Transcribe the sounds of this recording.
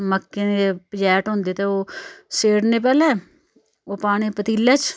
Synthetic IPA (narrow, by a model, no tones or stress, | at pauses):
məkːeːnepəd͡ʒɛːʈɦõːnd̪eːt̪eːoːseːɽneːp̬ɛːlẽː | oːpaːɽ̃eːpət̪iːlːaːt͡ʃ